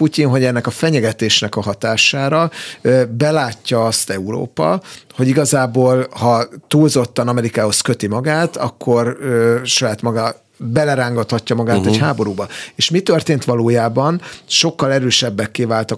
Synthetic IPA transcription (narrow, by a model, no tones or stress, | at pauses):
pucinɦo̞ɟɛnːɛkɒfɛɲɛɡɛt̪eːʃnɛkɒɦɒt̪aːʃaːɾɒ | bɛlaːcːɒɒst̪ɛuɾo̰ːpɒ̰ho̞ɟiɡɒzaːboːlhɒt̪uːlzo̞t̪ːɒnɒmɛɾikaːho̞skø̞t̪imɒɡaːt̪ɒ̰kʰːo̞røʃɒjaːt̪mɒɡa | bɛlɛɾaːŋɡɒt̪hɒcːɒmɒɡaːt̪ɛɟhaːbo̞ɾuːbɒeːʃmit̪ørt̪eːnt̪ʋɒloːjaːbɒnʃo̞kːɒlɛɾøːʃɛbːɛkːeːvaːlt̪ɒ